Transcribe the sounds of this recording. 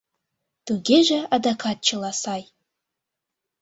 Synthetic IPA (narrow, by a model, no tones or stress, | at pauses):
t̪uɡʲeʒĕɑd̪akʰɑt̪̚t͡ʃʰɤ̆lˠɑsɑj